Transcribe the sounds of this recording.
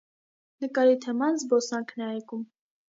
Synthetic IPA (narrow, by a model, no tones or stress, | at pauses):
nəkʼɑɾit̪ʰɛmɑnzbɔsɑŋkʰnɛɑjkʼum